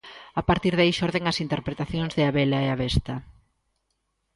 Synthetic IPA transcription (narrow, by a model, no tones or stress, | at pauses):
apaɾt̪iɾðaiʃɔɾðeŋɐsint̪eɾpɾet̪aθjoŋzðɪaβelaeaβest̪ɐ